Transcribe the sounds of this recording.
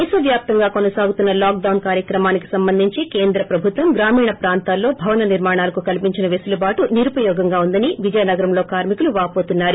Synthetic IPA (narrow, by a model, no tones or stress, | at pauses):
isɐʋjaːp̚t̪ɐŋɡaːkonɐsaːɡut̪unːɐlaːk̚ɖɐwnkaːɾjɐkɾɐmaːniki̥sɐmbɐnd̪ʱiɲt͡ʃikeːnd̪ɾɐpɾɐbʱut̪ʋɐmɡɾaːmiːɳɐpɾaːnt̪aːlːo̞ːbʱɐʋɐnɐniɾmaːɳaːlɐkukɐlipiɲt͡ʃinɐʋesulɐbaːʈuniɾupɐjɔːɡɐŋɡaːund̪ɐniʋid͡ʒɐjɐnɐɡɐɾɐmlo̞ːkaːɾmikuluʋaːpo̞ːt̪unːaːɾu